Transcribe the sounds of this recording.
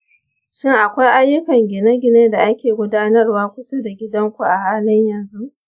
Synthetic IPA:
ʃɪ˦ŋʔa˨kʷa˦jʔa˦jːʊ˦kɐ˨ŋɡʲɪ˨nɐ˦ɡʲɪ˨neː˦da˨ʔa˦kʲeː˨ɡʷʊ˦daː˦nɐ˦rwaː˦kʷʊ˦so˦da˨ɡʲɪ˦dɐ˦ŋkʷu˨ʔa˨haː˦lɪ˦ɲjɐ˨nzu˦ʔ

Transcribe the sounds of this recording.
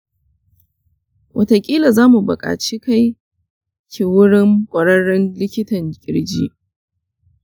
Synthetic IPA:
wʔɐ˨ta˨kʲʼiː˦la˨zaː˦mu˨bʊ̰˨kʼa̰ː˨t͡ʃiː˦ka˦j | kʲi˨wʊ˦ɽɪ˦ŋkʷʼɐ˨ɽɐ˦ɽɪ˦nlɪ˦kʲɪ˦tɐ˨ŋkʲʼɪ˦ɽd͡ʒiː˦ʔ

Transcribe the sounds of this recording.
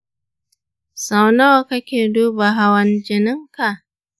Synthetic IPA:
sa˨wno˦˨ka˦kʲeː˨du˦ba˨ɦa˨wɐ˨nd͡ʒɪ˨nɪ˦ŋka˨ʔ

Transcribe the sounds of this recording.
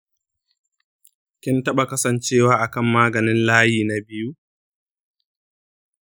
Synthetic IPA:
kʲɪ˦ntɐ˦ɓa˨kɐ˦sɐ˨nt͡ʃeː˦waː˦ʔa˨kɐ˦˨mːaː˦ɡɐ˨nɪ˦nlaː˦jiː˨na˨bɪ˦ju˦

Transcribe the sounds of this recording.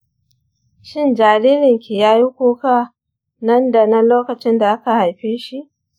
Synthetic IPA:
ʃɪ˦nd͡ʒaː˨ɾiː˦ɾɪ˨ŋkʲi˨jaː˦ji˦kʷuː˦ka˦˨ | nɐ˦nda˨nɐ˦loː˦kɐ˨t͡ʃɪ˦nda˨ʔa˦ka˨ha˨jɸeː˦ʃi˦ʔ

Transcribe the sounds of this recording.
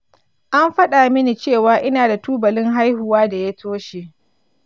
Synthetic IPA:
ʔa˦mɸɐ˦ɗa˨mɪ˦ni˨t͡ʃeː˦˨waː˨ʔɪ˦naː˨da˨tuː˦bɐ˨lɪ˦ŋɦa˦jhʊ˨waː˦da˨ja˦tʰoː˦ʃe˨ʔ

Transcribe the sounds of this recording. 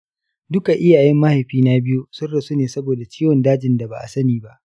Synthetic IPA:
dʊ˦ka˨ʔɪ˦jaː˨jɛ˦mːa˦ha˨jɸiː˦na˦bɪ˦ju˦sʊ˦rɽɐ˨su˦neː˨sɐ˦boː˨da˨t͡ʃiː˦wɔ˨ndaː˦d͡ʒɪ˨nda˨ba̰˨ʔa̰˨sɐ˦niː˨ba˦ʔ

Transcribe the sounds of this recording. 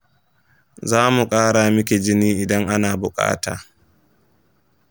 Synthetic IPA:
zaː˦mu˨kʼaː˦ɽaː˨mɪ˦k̬ʲe˨d͡ʒɪ˦niː˦ʔɪ˨dɐ˦ŋʔa˦naː˨bʊ˨kʼa̰ː˦ta̰ː˨

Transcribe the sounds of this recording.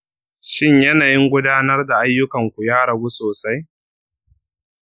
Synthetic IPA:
ʃɪ˦ɲjɐ˦naː˨jɪ˦ŋɡʷʊ˦daː˦nɐ˦rda˨ʔa˦jːʊ˦kɐ˨ŋkʷu˨jaː˦ɽɐ˨ɡu˦soː˨sa˦j

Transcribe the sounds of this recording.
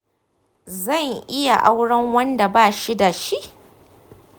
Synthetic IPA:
zɐ˦˨ŋʔɪ˦ja˨ʔa˦wɽɐ˦ŋwɐ˦nda˨baː˦˨ʃi˦da˨ʃi˦ʔ

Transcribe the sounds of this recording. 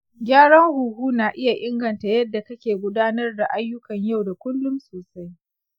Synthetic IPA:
ɡʲaː˦ɽɐ˦ŋhuː˨huː˦naː˨ʔɪ˦ja˨ʔɪ˦ŋɡɐ˨nta˨jɐ˦dːa˨kɐ˦kʲeː˨ɡʷʊ˦daː˦nɐ˦rda˨ʔa˦jːʊ˦kɐ˨ɲja˦˨wda˨kʷʊ˦lːʊ˦msoː˨sa˦j

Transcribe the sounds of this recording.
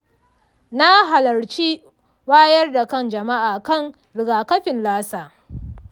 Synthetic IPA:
na˦ɦa˨lɐ˨rt͡ʃiː˦ | waː˦jɐ˦rda˨kɐ˦nd͡ʒɐ˨ma˦ʔaː˨kɐ˦˨ŋ | ɾɪ˨ɡaː˨kɐ˦ɸɪ˨nlaː˦saː˨

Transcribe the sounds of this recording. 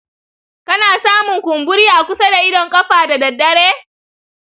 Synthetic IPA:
kɐ˦naː˨saː˦mʊ˨ŋkʷʊ˨mbʊ˦ɽi˦a˨kʷʊ˦sɐ˦da˨ʔɪ˦dɔ˨ŋkʼɐ˦ɸaː˨da˨dɐ˨dːɐ˦ɽeː˦

